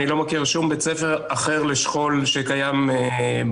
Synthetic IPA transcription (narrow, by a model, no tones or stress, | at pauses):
nilo̞makiʁʃumbet͡sefe̞ʁaχe̞ʁleʃχo̞lʃekajame